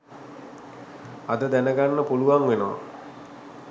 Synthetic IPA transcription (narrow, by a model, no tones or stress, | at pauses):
ad̪əd̪ænəɡanːəpuluʋaŋʋenoʋa̰